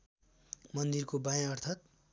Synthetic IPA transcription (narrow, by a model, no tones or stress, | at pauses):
mʌnd̪irkobajãʌrt̪ʰat̪̚